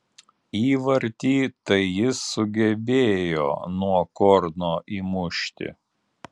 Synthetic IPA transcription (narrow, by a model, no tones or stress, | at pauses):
iːʋɐɾʲt̪ʲiːt̪ɐɪjɪsːʊɡʲɛbʲeːjo̰ːnuɔkɔɾnoːʔiːmʊʃʲt̪ʲɪ̰